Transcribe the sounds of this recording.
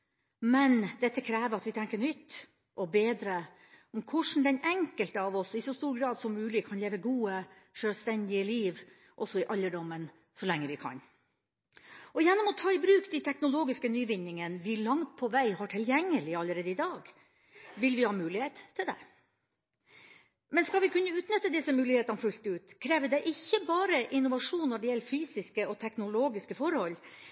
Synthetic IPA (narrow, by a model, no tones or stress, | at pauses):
mɛnd̪ɛt̪ːəkʰɾæːʋəɾɑt̪ʋɪt̪ʰɛŋkənʏt̪ː | ʔɔbeːd̪ɾə | ɔmkʰʊʂn̩d̪ɛnɛŋkəlt̪əɑʋɔsɪsɔst̪uːɾɡɾɑːd̪sɔmːʉːlɪkʰɑnleːʋəɡuːəʂøːlst̪ɛnd̪ɪəliːʋ | ʔɔsɔɪʔɑlːəɖɔmːən | sɔlɛŋːəʋɪkʰɑ̰n | ɔjænːɔmɔt̪ʰɑːɪbɾʉːkd̪ɛt̪ʰɛknʊloːɡɪskənyːʋɪnːɪŋənʋɪlɑŋt̪̚pʰɔʋæɪhɑʈʰɪljɛŋːəlɪɑlːəɾeːd̪əɪd̪ɑːɡ | ʋɪlʋɪhɑːmʉːlɪheːt̪ʰːɪld̪ɛ̰ | mɛnskɑlʋɪkʰʉnːəʉːt̪nœt̪ːəd̪ɪsːəmʉːlɪheːt̪ɑnfʉlt̪əʉːt̪kʰɾeːʋəd̪ɛʔɪçːəbɑːɾəʔɪnːʊʋɑʂuːnnːɔɖɛjɛlːfyːsɪskəɔt̪ʰɛknʊloːɡɪskəfɔɾhɔlː